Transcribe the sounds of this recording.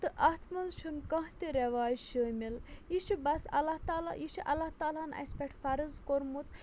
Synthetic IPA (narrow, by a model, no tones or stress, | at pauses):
t̪ɨʔɐht̪ʰmɐnzʃʰɨnkɐ̃ɦt̪iɾeʋaːjʃəːmiljiʃibɐsɐ̰lːɐht̪aːla̰jiʃiʔɐ̰lːaht̪aːlaːnɐ̰spʲeʈʰfɐɾɨzkoɾmut̪